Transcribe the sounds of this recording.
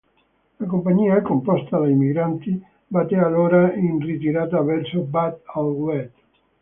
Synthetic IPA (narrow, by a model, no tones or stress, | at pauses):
lakompaɲiːakompɔst̪ad̪aimiɡɾant̪i | bat̪ːealoːɾainrit̪iɾaːt̪̬avɛrsobat̪alɡwɛt̪